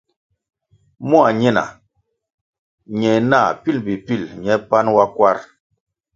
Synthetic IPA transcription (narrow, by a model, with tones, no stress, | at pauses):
mu˦a˨ɲɛ˦na̰˨ | ɲɛ˨na˦˨pi˦˨lbi˨pi˦˨lɲɛ˨˦pa˦nwa˦kwa˦ɾ